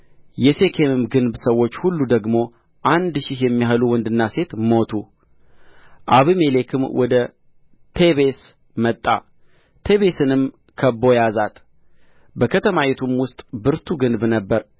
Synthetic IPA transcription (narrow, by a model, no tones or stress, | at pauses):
jɛse̞kʰe̞mɨmɡɨnbsəwːo̞t͡ʃːhulːud̪əɡmo̞ | ʔand̪ʃɪhjɛmːiɦluwɔnd̪ɨnːase̞t̪mo̞t̪ʰu | ʔaβime̞le̞kʰɨmwɔd̪ə | t̪ʰe̞βe̞s | mət̪ʼːa̰ | t̪ʰe̞βe̞sɨnɨm | kʰəbo̞jazat̪ | bəkʰət̪ʰəmajet̪ʰumwʊst̪ʼbɨɾt̪ʰuɡɨnbnəbːəɾ